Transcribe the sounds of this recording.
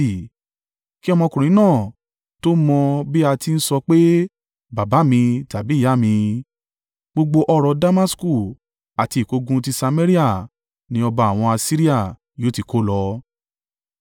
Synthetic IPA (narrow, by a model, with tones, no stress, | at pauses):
i˨ | ki˦ɔ˧mɔ̃˧kũ˨ɾ̃ĩ˨˦nãː˦˨ | to˦mɔ̃˧bi˦a˧ti˧n̩˦sɔ˧k͡pe˦ | ba˨ba˨˦mĩ˧ta˨bi˨˦˨ja˦˨mĩ˧ | ɡ͡bo˧ɡ͡bo˧ʔɔ˧ɾɔ˧da˦ma˦sku˦˨ | a˨ti˧˨ko˨˦ɡũ˧˦t̬i˧sa˧me˦ɾi˦a˦˨ | nĩ˧˦ɔ˧ba˧˨a˨w̃ɔ̃˧a˧si˦ɾi˦a˦˨ | jo˨˦ti˨˧ko˦lɔ˧